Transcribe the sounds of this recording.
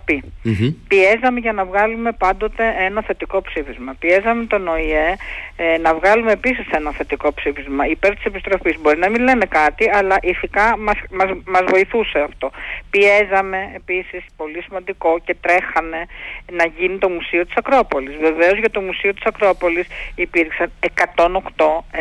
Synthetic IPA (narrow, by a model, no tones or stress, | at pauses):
pipie̞zɐme̞ʝɐnɐvɣɐlume̞pɐnd̪o̞t̪e̞e̞nɐθe̞t̪iko̞psifizmɐpie̞zɐme̞t̪o̞no̞ienɐvɣɐlume̞ːpisise̞nɐθe̞t̪iko̞psifizmɐipe̞ɾt̪i̥se̞pist̪ɾo̞fizbo̞ɾinɐminle̞ne̞kɐt̪iɐlɐʔiθikɐmɐsmɐmɐzvo̞iθuse̞ɐft̪o̞pie̞zɐme̞ːpisispo̞lisimɐnd̪iko̞ce̞t̪ɾe̞xɐne̞nɐʝinit̪o̞musio̞t̪i̥sɐkɾo̞po̞lizve̞ve̞o̞zʝɐt̪o̞musio̞t̪i̥sɐkɾo̞po̞lisipiɾksɐne̞kɐt̪o̞no̞kt̪o̞